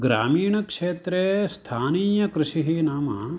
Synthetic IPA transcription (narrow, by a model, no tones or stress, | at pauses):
ɡɾa̰ːmiːɳ̃ɐkʂeːt̪ɾest̪ʰaːniːjɐkɾɪʃiɦiːnaːmɐ